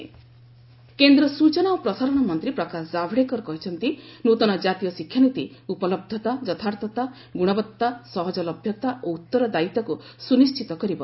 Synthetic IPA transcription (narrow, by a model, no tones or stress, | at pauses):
kend̪ɾɔsut͡ʃɔnaopɾɔsaɾɔɽ̃ɔmɔnt̪ɾipɾɔkasd͡ʒabʱɽekɔɾɔkɔɦit͡ʃʰɔnt̪inut̪ɔñɔd͡ʒat̪ijɔsikʰjanut̪iupɔlɔb̚d̪ʱɔt̪ad͡ʒɔt̪ʰaɾt̪ɔt̪a | ɡuɽ̃ɔbɔt̪ːasɔɦɔd͡ʒɔlɔbʱjɔt̪aʔout̪ːɔɾɔd̪ait̪ɔkusunist͡ʃit̪ɔkɔɾibɔ